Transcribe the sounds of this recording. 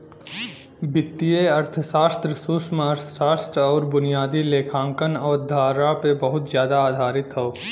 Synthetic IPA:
bɪt̪ːijeɐɾt̪ʰəsaːst̪ɾəsuːsmaəɾt̪ʰsaːst̪ɾɔːɾbʊnijaːd̪ileːkʰãːŋkənɔːɾd̪ʱaːɾapebəɦʊt̪zjaːd̪aːd̪ʱaːɾɪt̪ɦɛo

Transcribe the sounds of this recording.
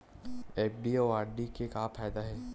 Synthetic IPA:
eːpɖiɔːaːɾɖikekaːfʰaːjd̪aɦɛː

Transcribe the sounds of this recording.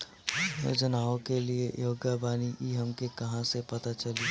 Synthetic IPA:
jo̰d͡ʒənaːõkeliejoːɡəbaːniʔiɦɐmkekɐɦãsepɐt̪at͡ʃɐli

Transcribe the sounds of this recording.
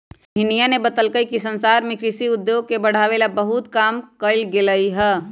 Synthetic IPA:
sɦinijanebət̪əlkəjkisənsaɾmekɾisiʊd̪joɡ̚kebəɽ̤aʋelabəɦut̪kamkəlɡeləiɦɛ

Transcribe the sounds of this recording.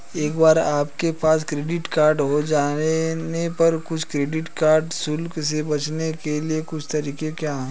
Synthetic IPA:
eːkbaːɾaːpkepaːskɾeːɖɪʈkaːɾɖɦod͡ʒaːenepɐɾkʊt͡ʃʰkɾeːɖɪʈkaːɾɖsʊlksebɐt͡ʃnekeliekʊt͡ʃʰt̪ɐɾiːkekjaːɦɛ̃

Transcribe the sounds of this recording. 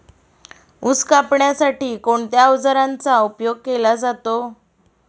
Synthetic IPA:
uskapɳjasaʈiːkoɳt̪jaʋd͡zəɾãnt͡saupjoɡ̚kelad͡zat̪o

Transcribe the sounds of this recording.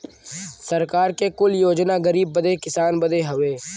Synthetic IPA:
sɐɾkaːɾkekʊljoːd͡ʒnaɡɐɾiːb̚ːɐd̪ekɪsaːnbɐd̪eɦɐʋeː

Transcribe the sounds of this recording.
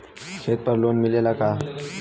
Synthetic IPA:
kʰet̪̚pəɾlonmilelaka

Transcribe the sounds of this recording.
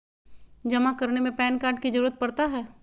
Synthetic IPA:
d͡ʒɐmakɐɾnemẽpɛːnkaːɾɖ̚kizɐɾuːɾət̪̚pɐɽt̪aɦɛː

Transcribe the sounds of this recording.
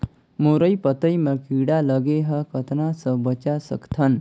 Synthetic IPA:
moɾəjpət̪əjməkiɽaləɡeɦəkət̪ʰnasəbət͡ʃasə̰kt̪ʰən

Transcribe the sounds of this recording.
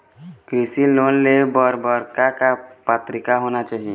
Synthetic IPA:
kɾisiloːnlebɔɾbəɾkakapət̪ɾɪkaɦoːnat͡ʃaːɦi

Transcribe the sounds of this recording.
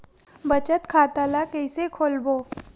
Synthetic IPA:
bət͡ʃət̪kʰaːt̪alakɛɪsekʰoːlboː

